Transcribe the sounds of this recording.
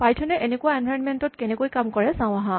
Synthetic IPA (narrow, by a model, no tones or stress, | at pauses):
pajtʰɔnɛʔenekʊwaenbʱaɹɔnmentɔtkɛnɛkojkamkɔɹɛsãw̃aɦã